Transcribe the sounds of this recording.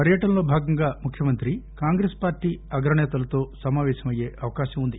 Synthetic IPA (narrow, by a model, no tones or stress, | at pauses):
pɐɾjɐʈɐnlo̞ːbʱaːɡɐŋɡaːmukʰjɐmɐnt̪ɾikaːŋɡɾeːspaːɾʈːiːɐɡɾɐɳɛːt̪ɐlɐt̪o̞ːsɐmaːʋɛːʃɐmɐje̞ːʔɐʋɐkaːʃɐmund̪i